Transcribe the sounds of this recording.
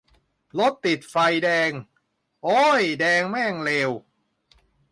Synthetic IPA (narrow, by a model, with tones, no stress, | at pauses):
lo˦˥t̪ːi˨˩t̪̚fa˧jdɛː˧ŋ | ʔoː˦˥jdɛː˧ŋmɛː˥˩ŋleː˧w